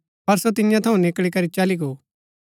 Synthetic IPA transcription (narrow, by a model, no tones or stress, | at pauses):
pɐɾsot̪̬ɪnɪjãt̪ʰɐũnɪkɭikɐɾit͡ʃɐliɡoː